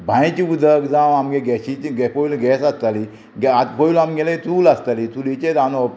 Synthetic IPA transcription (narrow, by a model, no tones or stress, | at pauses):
bʱãjt͡ɕiud̪ʱəkd͡zãwamɡeɡɛɕiɡɛpoulɡɛsast̪ali | ɡat̪poulamɡɛlait̪uːlast̪alit̪ulit͡ɕet̪anɔ